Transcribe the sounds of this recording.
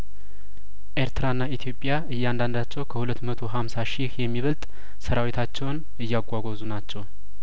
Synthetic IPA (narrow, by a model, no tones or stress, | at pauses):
ʔeɾt̪ʰɨɾaɨnːait̪ʰjo̞pʼjaɨjːand̪and̪at͡ʃːɛwkʰəhulət̪ːmət̪ʰo̞ɦamsaʃihjɛmːiβəlt̪ʼ | səɾawit̪ʰat͡ʃːɛwn | ɨjːaɡʷʼːaɡʷozunat͡ʃːɛw